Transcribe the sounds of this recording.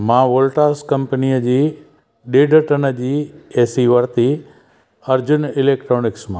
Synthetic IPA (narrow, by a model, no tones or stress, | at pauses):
mãːʋoːlʈaːskɐ̃mpənijəd͡ʑiː | ɗeːɖʱəʈənəd͡ʑiːeːsiʋɐɾt̪i | ɐɾd͡ʑʊnɪleːk̚ʈɾoːnɪksmã